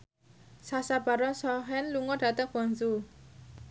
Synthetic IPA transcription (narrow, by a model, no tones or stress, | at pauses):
sasab̥a̤ɾɔnsɔɦɛnluŋɔɖ̥a̤t̪əŋb̥ɔnzu